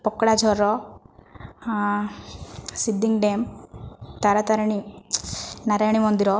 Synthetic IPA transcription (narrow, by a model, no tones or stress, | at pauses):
pɔkːɐɽad͡ʒʱɔɾːɔ | sid̪ːiŋɡɖeːm | t̪ɐɾɐt̪ɐɾɐɳi | nɐɾajɳimond̪iɾɔ